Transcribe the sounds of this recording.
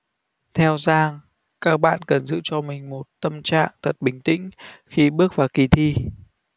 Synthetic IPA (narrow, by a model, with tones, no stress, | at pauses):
t̪ʰɛ˧wzaː˧ŋ | kaː˦˥k̚ɓa̰ː˧˨nkə˨˩nzɨ̰˧˨t͡ɕɔ˧mï˨˩ŋ̟mo˨˩t̚t̪ə˧mt͡ɕa̰ː˧˨ŋt̪ʰə˨˩t̚ɓï˨˩ŋ̟t̪ḭ̈˧˥ŋ̟xi˧ɓɨ˦˥ək̚vaː˨˩ki˨˩t̪ʰi˧